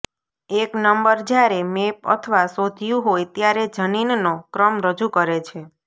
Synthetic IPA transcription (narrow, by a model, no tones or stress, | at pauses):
eknəmbəɾd͡ʒjaɾemepə̰t̪ʰəʋasod̪ʱjũɦojt̪jaɾed͡ʒəninnokɾəmɾəd͡ʒukəɾet͡ʃʰe